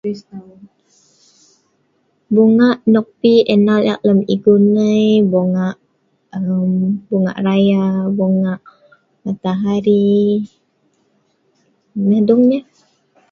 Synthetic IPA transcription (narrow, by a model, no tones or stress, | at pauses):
isa | boŋaʔnɔk̚piʔɛnala̰ʔləmiɡunəjboŋaʔ | əmboŋa̰ʔrajaboŋaʔ | mat̪aɦaɾi | nədɔŋɲa